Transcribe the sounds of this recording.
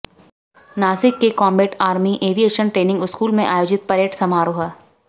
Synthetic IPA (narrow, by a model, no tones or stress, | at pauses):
naːsɪkːekɔːmbeːʈaːɾmiʔeːʋijeːʃənʈɾeːnɪ̃ŋɡʊskuːlmẽʔaːjoːd͡ʒɪt̪̚pɐɾeːʈsɐmaːɾoːɦə